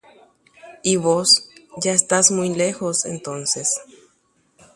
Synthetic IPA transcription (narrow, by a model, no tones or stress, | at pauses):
iβosʝaest̪azmujlexosḛnt̪o̞nses